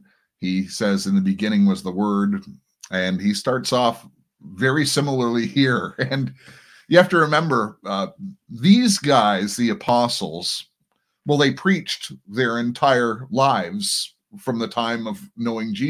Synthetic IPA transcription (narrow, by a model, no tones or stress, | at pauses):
hisɛzɨ̃nðɨbɨɡɪ̃ɾ̃ɪ̃ŋwʌzðəwɜ˞d | ʔɨ̃nistɑɹtsɔf | vɛɹisɪ̃ml̩ˠə˞lˠihiɹɨ̃n | jɨhæftɨɹɨmɛ̃mbə˞ | ðizɡaɪzðiɨpʰɑsl̩ˠz̥ | wɛlˠðeɪpʰɹ̥it͡ʃðə˞ɨ̃ntʰaɪə˞laɪvz̥ | fɹʌ̃mðɨtʰãɪ̃mʌvnoʊɪ̃ŋd͡ʒi